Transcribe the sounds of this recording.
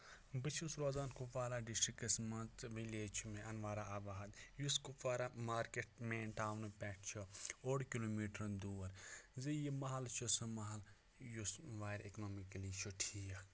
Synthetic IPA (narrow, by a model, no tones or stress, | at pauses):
bɨt͡ʃʰusɾoːzaːnkupaːɾaɖisʈɾikɐsmɐnt͡sʋileːt͡ʃʰumeʔɐnʋaːɾaʔɐbaːd̪juskupaːɾamaːɾkeʈ̚meːnʈaːwnɨpɛːʈʰt͡ʃʰooːɽkiloːmiːʈɐɾd̪uːɐɾzɐjimɐɦɐlt͡ʃʰosɨmɐɦɐl | jusʋaːɾeknoːmikɐlit͡ʃʰoʈʰija